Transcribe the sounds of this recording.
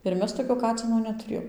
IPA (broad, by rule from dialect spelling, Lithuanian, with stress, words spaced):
ɪr ˈmʲɛs toːˈkʲoː ˈkɑːt͡sʲɪnoː nʲɛtʊˈrʲeːjoːm